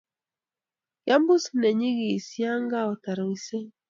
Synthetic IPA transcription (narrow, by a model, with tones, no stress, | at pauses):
ja˦mbu˦snɛ˨ɲi˦ɣi˨sja˦ŋɡa˦ɔ˨ta˨ɾo˨i˨se˦